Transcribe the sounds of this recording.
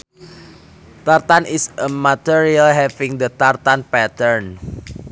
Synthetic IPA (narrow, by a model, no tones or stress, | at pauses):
t̪art̪anʔɪsəmat̪iɹialɦɛfɪŋd̪ət̪art̪anpɛt̪əɹn